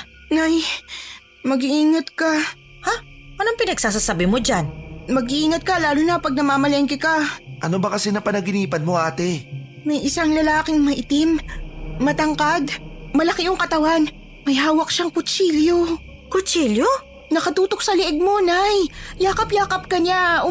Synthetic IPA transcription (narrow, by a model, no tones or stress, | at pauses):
naj | mɐɡɪʔiːŋɐt̪̚kɐ | hapɐnɐŋpɪnɐɡ̚saːs̬asabɪmod͡ʒanmɐɡɪʔiːŋɐt̪̚kɐlaːlʊnɐpɐɡ̚nɐmaːmɐlɛʔɪŋkɪkaʔɐnobɐkɐsɛnɐpɐnɐɡɪniːpɐnmoʔaːt̪ɪ | mɐjʔɪsaŋlɐlaːkɪŋmɐʔɪt̪ɪmmɐt̪ɐŋkad̪mɐlɐkɪʔʊŋkɐt̪ɐwan | mɐjɦaːwɐk̚ʃaŋkʊt͡ʃiːljo | kʊt͡ʃiljo | nɐkɐt̪uːt̪ok̚sɐlɪʔɛɡ̚mo̞najjaːkɐpjaːkɐp̚kɐɲaʔʊ